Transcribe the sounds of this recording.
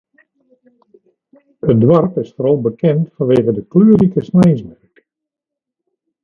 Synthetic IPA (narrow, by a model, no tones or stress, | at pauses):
ədwɔrpɪsfəɾolˠbəkɛntfanʋeːɣədəklyːərikəsnɛjsbɛrk